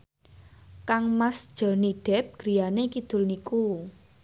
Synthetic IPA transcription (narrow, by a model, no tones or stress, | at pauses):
kaŋmasd̥ʒ̥ɔ̤niɖ̥ɛ̤p̚ɡ̥ɾi̤janekid̪̥ʊ̤lniku